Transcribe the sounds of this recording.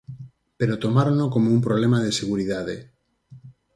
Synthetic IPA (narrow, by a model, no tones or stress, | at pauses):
peɾot̪omaɾonokomoumpɾoβlemaðeseɣuɾiðaðḛ